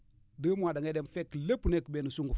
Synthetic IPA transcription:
dəmadaŋedemfekːlepːunekəbenusuŋɡu

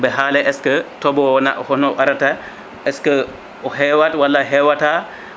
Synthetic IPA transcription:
bɛɦalɛʔɛskətɔbɔnaʔhɔnɔʔaɾata | ʔɛskə | ɔhɛwatwalːaɦɛwata

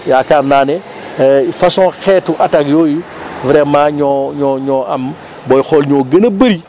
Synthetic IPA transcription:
jaːkaɾnaːnɛ | fɐsɔ̃ːxɛtːuʔataɡjɔːji | vɾɛmãːɲɔɲɔːɲɔʔɐm | bɔjxɔlɲɔːɡɐnɐbɐɾi

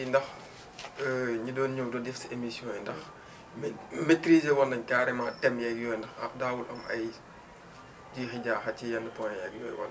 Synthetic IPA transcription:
indɐx | ɲidɔːnɲuwdɔdifsemisjɔ̃ːjindɐx | mmetɾiːzɛwɔndɐɲkaːɾɛmɐtɛmjɛɡjɔːjndɐxɐ̰daːwulʔɐmɐj | d͡ʒiːxiɟaːxɐcijɐndəpɔnjɛɡjɔ̰ːjwɔ̰n

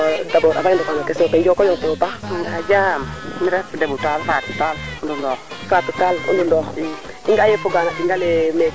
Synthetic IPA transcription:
dabɔɾa̰baindukaɲokesotɛd͡ʒokojɔŋkuɾopaŋɡad͡ʒamniɾɛfdebutalfatutalundundɔ | fatutalṵndundɔi | iŋɡajefuɡanakiŋɡaleme

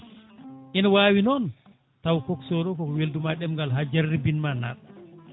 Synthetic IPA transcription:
ʔinawaːwinɔn | tawkɔksɔɾɔkɔkɔweldumaɗɛmŋɡalɦad͡ʒarːibinmana̰ɗ

